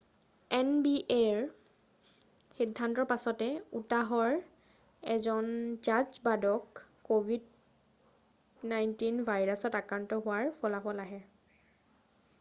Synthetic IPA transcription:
ɛnbiʔeɹ | xidʱːantɔɹpasɔtɛutaɦɔɹ | ɛzɔnd͡ʒad͡ʒbadɔkː | obid | najntinbʱajɹasɔtakɹantɔɦʊwaɹpʰɔlafɔlaɦɛ

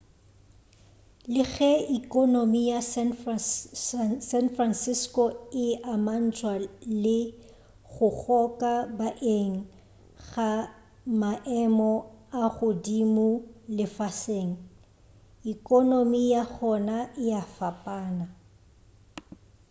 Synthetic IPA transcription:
lɪɣɛikonomijas | sɛnfransɪskoɪʔaman̩t͡sʰʼwalɪ | ɣʊɣʰɔkʼabaʔeŋ̩ | ɣa | maʔɛmɔaɣʊdimʊlɪfaseŋ̩ | ikʼonomijaɣɔnaʔɪjafapʼaːna

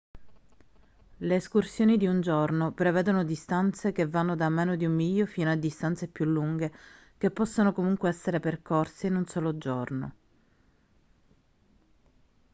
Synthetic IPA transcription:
leːskursjoːnid̪iund͡ʒornopɾeveːd̪onod̪ist̪ant̪sekevːanːod̪ameːnod̪iumːiʎːofiːnoad̪ːist̪ant̪sepjulːuŋɡe | kepːɔsːonokomuŋkweɛsːeɾeperkorseinunsoːlod͡ʒorno̰

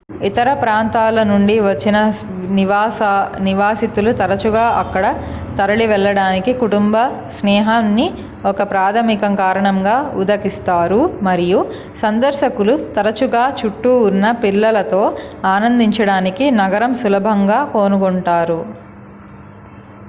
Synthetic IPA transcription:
it̪ɐɾɐpɾaːnt̪aːlɐnuɳɖiʋɐt͡ʃːinɐ | niʋaːniʋaːsit̪ulut̪ɐɾɐt͡ʃuɡaːʔɐkːɐɽɐ | t̪ɐɾɐɭiʋɛɭːɐɽaːnikikuʈumbɐsnɛːɦɐːnːi | ɔkɐpɾaːd̪ʰɐmikɐŋkaːɾɐɳɐŋɡaːud̪ɐkist̪aːɾumɐɾiju | sɐnd̪ɐɾʃɐkulut̪ɐɾɐt͡ʃuɡaːt͡ʃuʈːuːnːɐpilːɐlɐt̪o̞ːaːnɐnd̪iɲt͡ʃɐɽaːnikinɐɡɐɾɐmsulɐbʱɐŋɡaːko̞ːnukoɳʈaːɾu

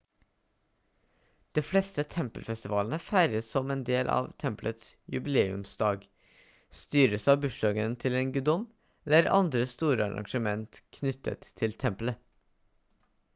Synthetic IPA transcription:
d̪̥eːflɛst̪ət̪ʰɛmpəlfɛst̪ɪʋɑːlənəfæɾəsɔmeːnd̪eːlʔɑ̰ːʋt̪ʰɛmplət̪sjʉ̰bɪleːʉ̰msd̪ɑːɡ | st̪yːɾəsɑːbʉʂdɑːɡənt̪ʰɪleːnɡʉd̪ɔm | ləɾɑ̰nd̪ɾəst̪uːɾəɑ̰ɾɑ̰ŋʂəmɛnt̪kʰnʏt̪ʰːə̰t̪ʰːɪlt̪ʰɛmplə

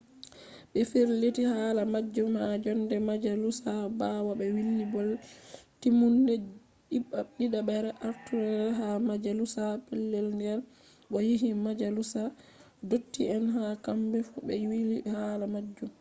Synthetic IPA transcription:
ɓɛfiɾletihaːlamad͡ʒːumhad͡ʒɔndɛmad͡ʒalusabawabɛwilːibɔltimundɛ | iaɗiɗabɛɾɛʔaɾtuɾɛɾɛɦamad͡ʒalusapɛlːelndɛl | ɓɔjiɦimad͡ʒalusa | dotːiɛnɦakambɛfubɛjwilihalamad͡ʒːum

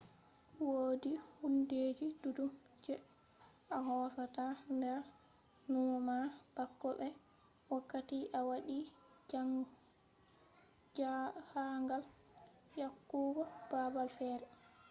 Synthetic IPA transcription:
woːdihunded͡ʒidudum | d͡ʒɛ | ʔaɦɔsatandɛɾ | numab̥akːɔɓɛ | wakːatiʔawaɗi | haŋɡal | jakːuɡɔb̥abalfɛɾɛ

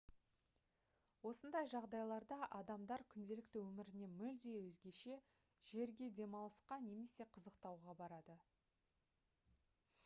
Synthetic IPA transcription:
wo̞sənd̪ɑjʒɑʁd̪ɑjlˠɑɾd̪ɑʔɑd̪ɑmd̪ɑɾkʲʰʏnd̪e̞lɪk̚t̪ɪwɵmɪɾɪne̞mʏld̪e̞wɵzɡʲe̞ʃe̞ | ʒ̥e̞ɾɡʲe̞d̪e̞mɑlˠəsqɑne̞me̞se̞qʰəzəqt̪ɑwʁɑbɑɾɑd̪ə

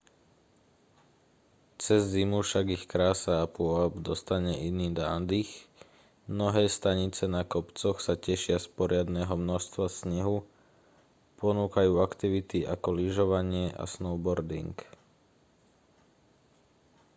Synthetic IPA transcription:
t͡sɛzːimufʃaɡixkɾaːsaːpʊɔabd̪ɔst̪aɲɛʔiniːd̪aːnd̪ix | mnɔɦɛːst̪aɲit͡sɛnakɔpt͡sɔxsacɛʃɪaspɔɾɪad̪nɛːɦɔmnɔʃst̪ʋasɲɛɦu | pɔnuːkajuːakt̪iʋit̪iʔakɔliʒɔʋaɲɪɛʔa̰snɔʊbɔɾd̪ḭŋk

